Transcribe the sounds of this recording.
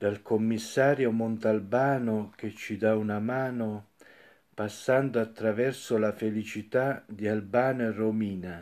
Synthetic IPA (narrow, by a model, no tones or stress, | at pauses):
d̪̥alkʰomːisːaːɾjomont̪albaːnok̟et͡ʃːid̪aunamaːno | pasːand̪oat̪ːɾavɛrsolafelit͡ʃit̪ad̪ialbaːneromiːna